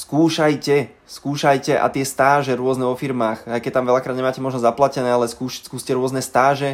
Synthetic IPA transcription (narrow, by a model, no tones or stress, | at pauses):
skuːʃajcɛ | skuːʃajcɛʔa̰t̪ɪɛst̪aːʒɛɾʊɔznɛʋɔfiɾmaːxajkɛc̚t̪amʋɛlakɾaːd̪ɲɛmaːcɛmɔʒnɔzaplacɛnɛːalɛskuːʃskuːscɛɾʊɔznɛst̪aːʒɛ